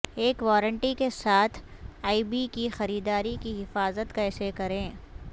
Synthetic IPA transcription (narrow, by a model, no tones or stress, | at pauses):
eːkʋɔːɾə̃ɳʈikesaːt̪ʰaːibikixɐɾiːd̪aːɾikiɦɪfaːzət̪kasekɐɾẽː